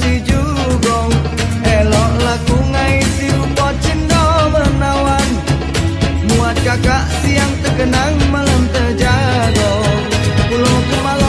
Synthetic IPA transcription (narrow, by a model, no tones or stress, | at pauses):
t͡ʃid͡ʒu | ɡɔŋ | elɔhləkuŋaisiupɔt͡ʃindɔmərnawan | muat̪̚kakaʔsiaŋt̪əɡənaŋmələmt̪əd͡ʒaɡɔ | kulɔkmal